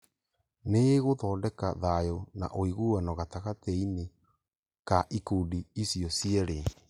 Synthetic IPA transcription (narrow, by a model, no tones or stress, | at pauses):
neɣoðɔːndɛkaðajona̰ʔoiɣuːanɔɣataɣatine | kaʔikuːdiisiɔsiɛɾe